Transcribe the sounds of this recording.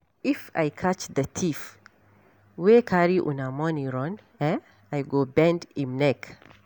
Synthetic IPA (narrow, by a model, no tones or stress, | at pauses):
ifa̰jkʰat͡ʃd̪ətʰif | wekʰaɾiʔṵnamɔnĩɾɔ̃n | ɛ | ajɡobɛ̃ndimnɛk